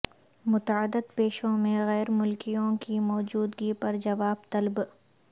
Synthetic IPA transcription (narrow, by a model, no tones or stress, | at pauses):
mʊt̪aːəd̪ət̪peːʃõmẽɣɛːɾmʊlkijõkimɔːd͡ʒuːd̪ɡipɐɾd͡ʒɐʋaːbt̪ɐlb